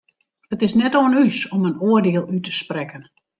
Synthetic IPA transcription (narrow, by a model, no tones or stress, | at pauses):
ətɪsnɛtoənysɔmənoərdeəlˠytəsprɛkən